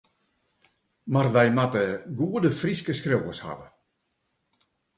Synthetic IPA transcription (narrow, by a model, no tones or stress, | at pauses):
marʋɛjmatəɡuədəfriskəskrowəsha̰ʋə